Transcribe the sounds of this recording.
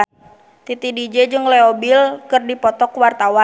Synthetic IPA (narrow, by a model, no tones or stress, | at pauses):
t̪it̪idid͡ʒɛd͡ʒɨŋlɛɔbilkɨrdipɔt̪ɔkuwart̪awa